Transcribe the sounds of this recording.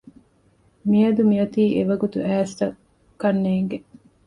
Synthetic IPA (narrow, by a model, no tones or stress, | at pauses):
miɐd̪umiɐt̪iːʔeʋɐɡut̪uʔæːst̪ɐ | kːɐnːeːŋɡe